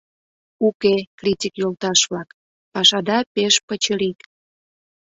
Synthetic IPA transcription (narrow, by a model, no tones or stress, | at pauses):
ukekritʲikjolt̪ɑʃβlɑk | pɑʃɑd̪ɑpeʃpət͡ɕəlit̪